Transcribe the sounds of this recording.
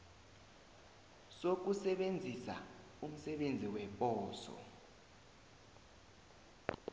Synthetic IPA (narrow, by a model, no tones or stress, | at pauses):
sok̬usɛɓend͡zʱisa̰ | um̩sɛɓend͡zʱiwɛɓʼɔːsɔ̰